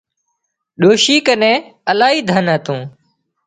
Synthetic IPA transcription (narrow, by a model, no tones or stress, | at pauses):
ɗoːʃiːkənẽːəlaːɦiːd̪ʱənɦət̪ũː